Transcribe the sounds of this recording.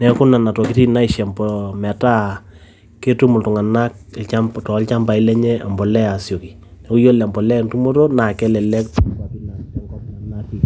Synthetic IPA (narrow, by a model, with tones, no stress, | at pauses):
nɛ˨kʊ˦na˨na˨tɔ˨ki˦ti˦na˦i˨ʃɛ˨mbɔmɛ˨ta˦ | ke˦tu˦mʊ˨ltʊ˨ŋa˨na˦kt͡ʃa˦mtɔ˨˦lt͡ʃa˦mba˨i˦lɛ˦ɲɛ˦a̰˨mbɔ˨lɛ˦a˨sjo˨ki˨ | nɛ˨ku˦jo˦lɛ˨mbɔ˨lɛ˦˨ntu˦mo˦ɾo˦na˨kɛ˦lɛ˨lɛ˦kta˦pi˦na˨tɛ˨˦ŋɡɔ˦tŋa˨na˦ki˨